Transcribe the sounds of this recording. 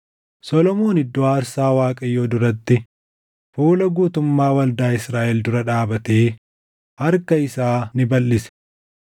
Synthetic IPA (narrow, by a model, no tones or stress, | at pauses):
sɔlɔmo̞ːnɪd̪ːɔaːɾsaːwaːkʼɐjːoːd̪ʊɾɐt̪ːɪ | fuːlɐɡuːt̪ʊmːaːwɐld̪aːɪsɾaːʔɛld̪ʊɾɐᶑaːbɐt̪eː | hɐɾkɐɪsaːnɪbɐlːɪsɛ̥